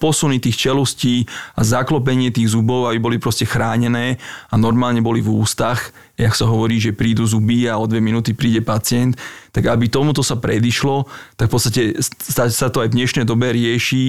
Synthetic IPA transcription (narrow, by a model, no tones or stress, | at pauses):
pɔsunit̪iːxt͡ʃɛlusciːazaklɔp̬ɛɲɪɛt̪iːɣzubɔʊabibɔlipɾɔscɛxɾaːɲɛnɛːanɔɾmaːlɲɛbɔlivuːst̪ax | aksaɦɔʋɔɾiːʒɛpɾiːd̪uzubiaɔd̪ʋɛminuːt̪ipɾiːɟɛpat͡sɪɛnt̪ːaɡabit̪ɔmut̪ɔsapɾɛd̪iʃlɔt̪akfpɔt͡st̪acɛssasat̪ɔajvd̪ɲɛʃnɛjd̪ɔbɛɾɪɛʃi